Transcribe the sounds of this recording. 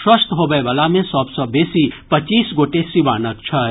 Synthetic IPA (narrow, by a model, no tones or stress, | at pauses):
ʃwɐst̪ɦoːbəebɐlamẽsɔːbsɔbeːsipɐt͡ʃiːsɡoːʈesiʋaːnək̚t͡ʃʰɐ